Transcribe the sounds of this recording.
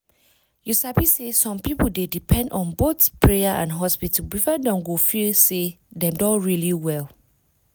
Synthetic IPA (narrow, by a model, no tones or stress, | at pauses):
jusabisesɔ̃mpipl̩dedipʰɛ̃ndɔ̃nboθpʰɹeaʔã̰nɦɔspitbifɔdɔ̃mɡofilse | dɛ̃mdɔ̃ɹiliwɛl